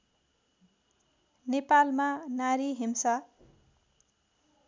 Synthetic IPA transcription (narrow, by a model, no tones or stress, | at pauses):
nepalmanaɾiɦimsa